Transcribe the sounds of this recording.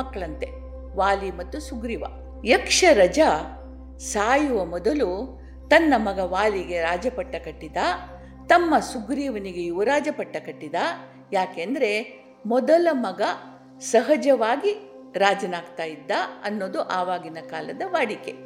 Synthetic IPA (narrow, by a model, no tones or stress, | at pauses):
mɐkːɐɭɐnt̪e̞ | ʋaːlimɐt̪ːusuɡɾiʋɐ̰ | jɐkʂɐɾɐd͡ʒɐ | saːjuʋɐmɔd̪ɐlu | t̪ɐnːɐmɐɡɐʋaːliɡe̞ɾaːd͡ʒɐpɐʈːɐkɐʈːid̪a | t̪ɐmːɐsuɡɾiːʋɐniɡe̞uʋɐɾaːd͡ʒɐpɐʈːɐkɐʈːid̪aː | jaːkeːnd̪ɐɾe̞ | mɔd̪ɐlɐmɐɡɐ | sɐɦɐd͡ʒɐʋaːɡi | ɾaːd͡ʒɐnaːɡt̪aːjid̪ːaɐnːoːd̪uʔaːʋaːɡinɐkaːlɐd̪ɐʋaːɽike̞